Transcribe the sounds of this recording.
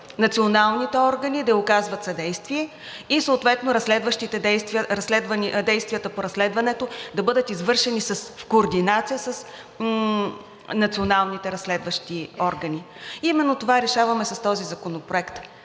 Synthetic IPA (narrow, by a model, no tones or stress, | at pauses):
nɐt̪sionalˠnit̪ɛɔɾɡɐnid̪ɐokazvɐt̪sɐd̪ɛjst̪viɛ | isoʊt̪vɛt̪noɾɐslɛd̪vəʃt̪it̪ɛɛjst̪vɾɐslɛd̪vənid̪ɛjst̪vʲijət̪əpoɾɐslɛd̪vɐnɛt̪od̪ɐbɤd̪ət̪izvɤɾʃɛnisɐsfkoːɾd̪inat̪sijəsɐs | nɐt̪sionalˠnit̪ɛɾɐslɛd̪vɐʃt̪iɔɾɡɐni | imɛnːot̪ovaɾɛʃavɐmɛsɐst̪ɔzizɐkonopɾoɛkt̪